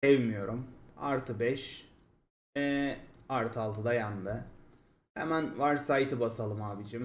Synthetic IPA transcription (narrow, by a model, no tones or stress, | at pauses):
ɛvmijo̞ɾuma̰ɾt̪ʰɯbɛʃ | ɛaɾt̪ʰɯalˠt̪ʰɯd̪ajand̪ɯ | hɛ̰mænvaɾsajt̪ʰɯbasalˠɯmaːbid͡ʒim